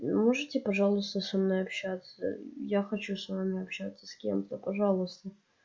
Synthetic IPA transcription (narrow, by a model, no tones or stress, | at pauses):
moʐɨtʲɪpɐʐalˠʊst̪əsɐnojɐpɕat̪sə̰jaxɐt͡ɕusvamʲɪɐpɕat̪sːə̥skʲe̞̰mt̪əpɐʐalˠʊst̪ə